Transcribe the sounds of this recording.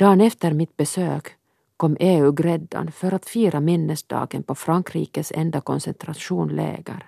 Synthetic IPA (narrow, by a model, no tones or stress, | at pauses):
d̪̥ɑːnɛft̪əɾmɪt̪̚bɛsøːk | kʰɔmːʔeːʉːɡɾɛd̪ːa̰nfœɾat̪fiːɾʔamɪnːəsd̪ɑ̰ːɡənpɔfɾaŋkʰɾḭːkəsɛ̰nd̪akɔnsɛnt̪ʰɾaʂuːnlḛːɡaɾ